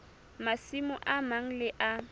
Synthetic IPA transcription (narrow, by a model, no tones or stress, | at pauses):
masimʊʔamaŋ̩lɪʔa